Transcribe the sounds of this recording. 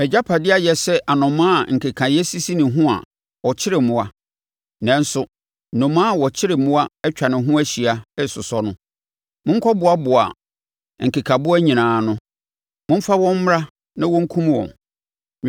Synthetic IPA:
ɛ˨d͡ʑa˦pʰa˨dɪ˦a˦jɛ˨sɛ˦ʔa˨nʊ̃˨mã˦˨ŋ̩˨kʰe˨kʰã˨jɛ˦si˦si˦nɪ̃˨ɦʊ̃˦a̰˨ | wɔ˨t͡ɕʰɪ˦ɾɪ˨mʊ̃˨a˦ | nɛ̃˨n̩˦sʊ˦ | nʊ̃˨mãː˦˨wɔ˨t͡ɕʰɪ˦ɾɪ˨mʊ̃˦a˦ɛ˦t͡ɕᶣa˨nɪ̃˨ɦʊ̃˦æ˦ɕi˨a˨ɛ˦˨sʊ˨sɔ˦nʊ̃˦ | mʊ̃˦ŋ̩˦kʰɔ˦bʊ˨a˦bʊ˨a̰˨ | ŋ̩˨kʰe˨kʰã˨bʊ˦æ˦ɲĩ˨nãː˨nʊ̃˦ | mʊ̃˦m̩˦fa˦wɔ̃˦m̩˦m˦ɾa˦ | nã˦wɔ̃˦ŋ̩˦kʰũ˦m˦wɔ̰̃˨n

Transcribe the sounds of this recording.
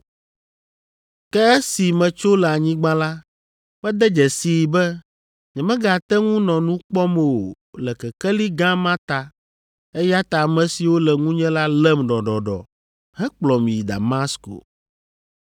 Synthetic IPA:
kɛ˦ɛ˦si˨mɛ̃˨t͡ʃo˦lɛ˨a˨ɲĩ˦ɡ͡bã˦la˦ | mɛ̃˦d̪ɛ˦d͡ʒɛ˨si˨bɛ˦ | ɲɛ̃˨mɛ̃˦ɡa˨t̪ɛ˦ŋũ˦nɔ̃˨nũ˦k͡pɔ˦mɛ˨wo˨ | lɛ˨kɛ˨kɛ˦li˦ɡã˦mã˦t̪a˨ | ɛ˦ja˦t̪a˨mɛ̃˨si˨wo˦lɛ˨ŋũ˦ɲɛ̃˦la˦lɛ˦mɖɔ˨ɖɔ˨ɖɔ̰˨ | hɛ˦k͡plɔ˨mĩ˨d̪a̰˨ma˦sko̰˨

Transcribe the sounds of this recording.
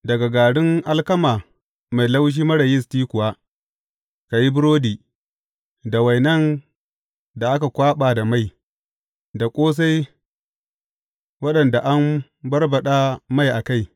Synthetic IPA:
dɐ˨ɡa˨ɡaː˨ɽɪ˦ŋʔa˦lkɐ˦maː˨ | ma˨jla˦wʃ̬iː˦mɐ˦ɽɐ˨jɪ˦stiː˦kʷʊ˨waː˦ | ka˨ji˦bɪ˦ɾoː˦diː˨ | da˨wa˨jnɐ˦n | da˨ʔa˦ka˨kʷaː˦ɓaː˨da˨ma˦˨j | da˨kʷʼoː˦s̬a˦j | wɐ˦ɗɐ˨nda˨ʔa˦m | bɐ˦rbɐ˨ɗa˦ma˦˨jʔa˨ka˦j

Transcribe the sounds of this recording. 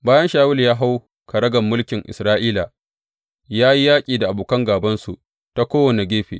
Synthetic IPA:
baː˦jɐ˦nʃaː˦wʊ˦ljaː˦ɦa˦w | kɐ˨ɽɐ˦ɡɐ˨mːʊ˦lkʲɪ˨ŋʔɪ̰˨sɾaː˦ʔiː˦la˨ | jaː˦ji˦jaː˦kʲʼiː˨da˨ʔa˨buː˨kɐ˦ŋɡaː˨bɐ˦nsṵ˨ | ta˦kʷoː˦wɐ˨ne˨ɡʲeː˦ɸḛː˨

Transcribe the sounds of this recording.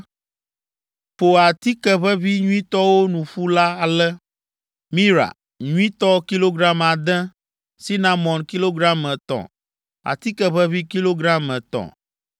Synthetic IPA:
ɸo˨a˨t̪i˦kɛ˨βɛ˦vi˦ɲũ˦ĩ˦t̪ɔ˦wo˦nũ˨ɸu˦la˦a˨lɛ˦ | mĩ˦ɾa̰˨ | ɲũ˦ĩ˦t̪ɔ˦ki˦lo˦ɡɾa˦ma˨d̪ɛ̃˦ | si˦nã˦mɔ̃˨nki˦lo˦ɡɾa˦mɛ˨t̪ɔ̰̃˨ | a̰˨t̪i˦kɛ˦βɛ˦vi˦ki˦lo˦ɡɾa˦mɛ˨t̪ɔ̰̃˨

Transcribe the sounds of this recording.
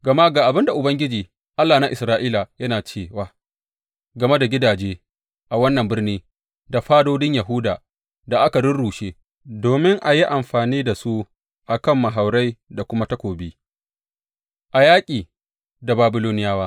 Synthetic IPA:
ɡɐ˨ma˦ɡaː˨ʔa˨bɪ˦nda˨ʔʊ˨bɐ˦ŋɡʲɪ˦d͡ʒiː˨ | ʔa˦lːaː˨na˦ʔɪ˨sɾaː˦ʔiː˦la˨jɐ˦naː˨t͡ʃeː˦˨waː˦ | ɡɐ˨me˦da˨ɡʲɪ˦daː˨d͡ʒeː˦ | ʔa˨wɐ˦nːɐ˨mbɪ˦rniː˦ | da˨ɸaː˦doː˦dɪ˦ɲja˨ɦʊ˦da̰ː˨ | da˨ʔa˦ka˨ɽʊ˦nɽuː˨ʃeː˦ | doː˨mɪ˦ŋʔa˨ji˦ʔa˨mɸaː˨niː˦da˨su˦ | ʔa˨kɐ˦˨mːa˨ɦa˨wɾa˦jda˨kʷʊ˦ma˦tɐ˦kʷoː˨biː˦ | ʔa˨jaː˦kʲʼiː˨ | da˨baː˨bɪ˨loː˦nɪ˦jaː˦waː˦

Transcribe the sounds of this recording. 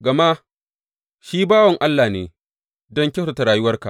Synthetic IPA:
ɡɐ˨ma˦ | ʃiː˦baː˦wɐ˨ŋʔa˦lːaː˨neː˨ | dɔ˦ŋkʲe˦so˨ta˨ɾaː˨jʊ˦wɐ˦rka̰˨ʔ

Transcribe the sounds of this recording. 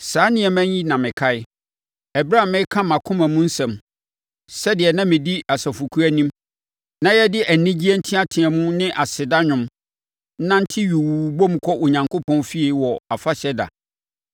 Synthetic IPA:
saː˨˦nɪ̃˦ɛ˨mæ̃˦ĩ˦nã˨mɪ̃˨kʰa˦ɪ˦ | ɛ˨bɾa˦˨mɪ̃˦kʰã˦mã˨kʰʊ̃˦mã˨mũ˦n̩˦sɛ̃˨m | sɛ˦dɪ˨ɛ˨nã˦mɪ̃˨di˦a˨sa˨fu˨kʰu˦æ˦nĩ˦m | nã˦jɛ˦dɪ˦ʔæ˨nĩ˦d͡ʑi˦ɛ˦n̩˦tʰĩ˦a˦tʰɪ̃˨ɛ˨mũ˦nɪ̃˦ʔa˨sɪ˨da˦ɲᶣʊ̃˦m˦ | nã˦n̩˦tʰɪ˦ɥu˨wu˨bo˦m̩˨˦kʰɔ˦ʔo˨ɲã˨ŋkʰo˦pʰɔ̃˦nfi˦i˨wɔ˨a˨fa˦ɕɛ˦da̰˨

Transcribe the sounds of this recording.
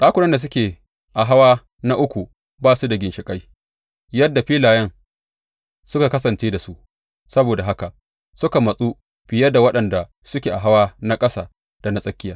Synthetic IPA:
ɗaː˦kʷʊ˦nɐ˦nda˨s̬ʊ˦kʲeː˨ | ʔa˨ɦa˦waː˦ | na˦ʔʊ˦kʷu˨ | baː˦˨su˦da˨ɡʲɪ˨nʃɪ˨kʼa˦j | jɐ˦dːa˨ɸiː˦laː˨jɐ˦ŋ | sʊ˦ka˨kɐ˦sɐ˨nt͡ʃeː˦da˨su˦ | sɐ˦boː˨da˨ɦa˦ka˨ʔ | sʊ˦ka˨mɐ˨sʼu˦ | ɸɪ˨jɐ˦da˨wɐ˦ɗɐ˨nda˨ | sʊ˦kʲeː˨ʔa˨ɦa˦waː˦na˦kʼɐ˦sa̰ː˨ | d̥a˨na˦sʼɐ˦kʲːɪ˦jaː˨

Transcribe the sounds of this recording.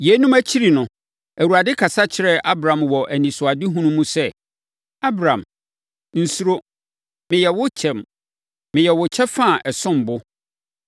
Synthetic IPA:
jɛ˨˦nũ˦mæ˦t͡ɕʰi˦ɾi˨nʊ̃˨ | æ˨wu˨ɾa˨dɪ˦kʰa˨sa˦t͡ɕʰɪ˦ɾɛ˦ʔa˦bɾã˨mwɔ˨ʔæ˨nĩ˨sʊ˨a˨dɪ˦ɦũ˦nũ˦mũ˦sɛ˦˨ | a˦bɾã˨m | n̩˨su˦ɾo˦ | mɪ̃˨jɛ˨wʊ˦t͡ɕʰɛ̃˨m | mɪ̃˨jɛ˨wʊ˨t͡ɕʰɛ˦fã˦˨ʔɛ˨sʊ̃˦˨m˨bʊ˦

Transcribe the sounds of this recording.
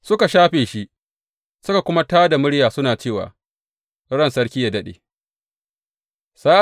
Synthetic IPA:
sʊ˦ka˨ʃaː˦ɸeː˨ʃi˦ʔ | sʊ˦ka˨kʷʊ˦ma˦taː˦da˨mʊ˦ɽjaː˨sʊ˦naː˨t͡ʃeː˦˨wa̰ː˨ | ɽɐ˦˨nsɐ˦ɽkʲiː˦jaː˨dɐ˦ɗḛː˨ | saː˦

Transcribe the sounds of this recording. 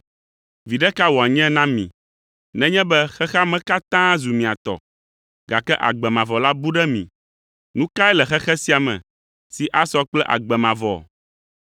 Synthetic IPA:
vi˨ɖɛ˦ka˦wɔ˨a˨ɲɛ̃˦nã˦mḭ̃˨ | nɛ̃˦ɲɛ̃˦bɛ˦xɛ˦xa˦mɛ̃˦ka˦t̪ã˦zu˨mĩ˨a˨t̪ɔ̰˨ | ɡa˨kɛ˦ʔa̰˨ɡ͡bɛ˨mã˨vɔ˨la˦bu˦ɖɛ˦mḭ̃˨ | nũ˦ka˦ɛ˦lɛ˨xɛ˦xɛ˦si˦a˨mɛ̰̃˨ | si˨ʔa˦sɔ˦k͡plɛ˦ʔa̰˨ɡ͡bɛ˨mã˨vɔ̰˨

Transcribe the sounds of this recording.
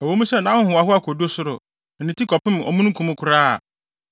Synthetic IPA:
ɔ˨wo˦mũ˦sɛ˦˨nã˨˦hʊ̃˦hʊ̃˨a˨ɦʊ˦a˦kʰo˨do˦sʊ˦ɾʊ̰˨ | n̩˨nĩ˨tʰi˦kʰɔ˨pʰɪ̃˦m˨ɔ̰˨mũ˦ñ̩˦kʰũ˨mʊ̃˦kʰʊ˨ɾaː˦a̰˨

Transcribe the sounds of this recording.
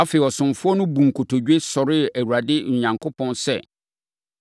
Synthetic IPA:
a˦fe˨ɔ˨sʊ̃˨mfʊ˦ɔ˦nʊ̃˦bũ˨ŋ˨kʰo˨tʰo˨d͡ʑᶣe˦sɔ˨ɾɪ˦æ˨wu˨ɾa˨dɪ˦ɲ̩˨ɲã˨ŋkʰo˦pʰɔ̃˦nsɛ̰˦˨

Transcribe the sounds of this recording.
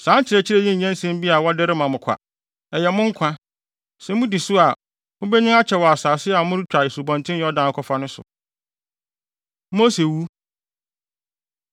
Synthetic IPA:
sãː˨˦ɲ˦t͡ɕʰɪ˨ɾɛ˨t͡ɕʰɪ˦ɾɛ˦jɛ̃˦˨ɲɛ̃˦n˦sɛ̃˦m˦bi˦a˨wɔ˦dɛ˦ɾɪ˦mã˨mʊ̃˨kʰa̰˨ | ɛ˨jɛ˨mʊ̃˦ŋ̩˦kʷʰã˦ | sɛ˨mʊ̃˦di˨sʊ˦a˨ | mʊ̃˦bɛ˦ɲɪ̃˦ŋa˦t͡ɕʰɛ˨wɔ˨a˨saː˨sɪ˦a˨mʊ̃˦ɾɪ˦t͡ɕᶣa˨e˨su˨bɔ̃˨ntʰɪ̃˦jɛ˦ɔ˦dãː˨˦˨kʰɔ˦fa˦nʊ̃˦sʊ̰˨ | mo˦se˨wu˦

